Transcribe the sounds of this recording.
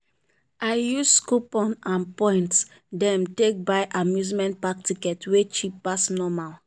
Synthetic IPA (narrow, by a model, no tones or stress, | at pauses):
aɪjusskupɔ̃nãnpɔ̃ɪ̃nt | dɛ̃mtek̚baɪʔamjuzmɛ̃nt̚pak̚tikɛtwet͡ʃipːasnɔmal